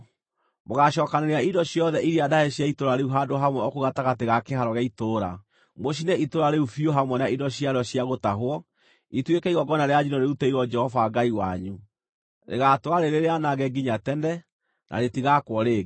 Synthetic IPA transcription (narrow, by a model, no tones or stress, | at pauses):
moɣaʃɔːkaneɾeaidɔɕjɔðɛʔiɾiadaheɕjaitoɾaɾeuɦadoɦamwɛɔkoɣataɣateɣakeɦaɾɔɣaitoɾa̰ | moɕ̬inɛitoɾaɾeufioɦamwɛnaidɔɕiaɾɔɕijaɣotaɦwɔ | itwekɛiɣɔɡɔnaɾead͡ʒinɔɾeutɛiɣɔd͡ʒɛhɔvaɡaiwaɲu | ɾḛɣatoaɾeɾeɾeanaɣɛɡiɲatɛndɛ | nʔa̰ɾetiɣakwɔɾeɣ